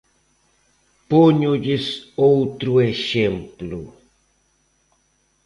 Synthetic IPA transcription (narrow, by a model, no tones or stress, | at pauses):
poɲuʎɪsowt̪ɾueʃemplu